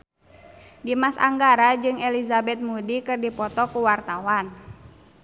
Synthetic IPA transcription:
dimasa̰ŋɡaɾad͡ʒɨŋɛlizabɛt̪̚mudikɨrdipɔt̪ɔkuwart̪awan

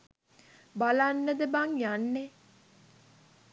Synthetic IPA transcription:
balanːəd̪əbaŋjanːe

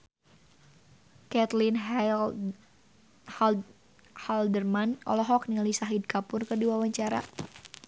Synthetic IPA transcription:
kɛt̪linɦ | haldərmanʔɔ̰lɔɦɔk̚niŋalisaɦid̚kapʊrkɨrdiwawaɲt͡ʃaɾa̰

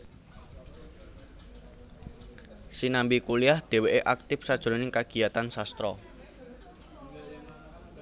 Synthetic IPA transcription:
sinambikuliahd̪̥e̤weʔeʔak̚t̪ɪfsad̥ʒ̥uɾonɪŋkaɡ̥i̤at̪ansast̪ɾɔ̰

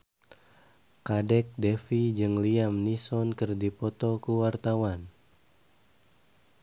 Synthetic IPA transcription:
kadɛk̚dɛfid͡ʒɨŋliamnisɔnkɨrdipɔt̪ɔkuwart̪awan

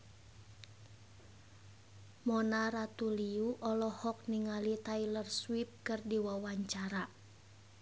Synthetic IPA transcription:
mɔnaɾat̪uliuʔɔlɔhɔk̚niŋalit̪ailərswip̚kɨrdiwawaɲt͡ʃaɾa

